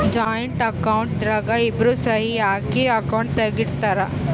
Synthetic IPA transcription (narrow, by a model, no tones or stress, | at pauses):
d͡ʒaːjɐɳʈɐkɐwɳʈ̚d̪ɾɐɡaibɾuːsɐɦiaːkiɐkɐwɳʈ̚t̪ɐɡiɽt̪aɾɐ